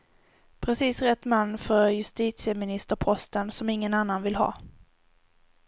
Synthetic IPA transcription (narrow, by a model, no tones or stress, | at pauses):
pʰɾɛsiːsɾɛt̪ːmanːfœɾjɵst̪iːt̪sɪəmɪnɪst̪əɾpʰɔst̪ənsɔmɪŋːənanːanvɪlɦɑ̰ː